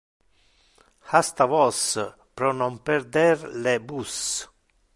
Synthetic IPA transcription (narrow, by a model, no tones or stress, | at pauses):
hast̪avɔs | pɾɔnɔmpɛɾd̪ɛrlebus